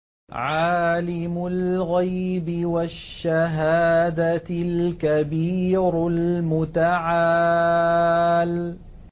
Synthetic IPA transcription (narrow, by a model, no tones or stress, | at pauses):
ʕaːlɪmʊlɣajbɪwaʃːaɦaːd̪alkabiːɾlmʊt̪aʕa | l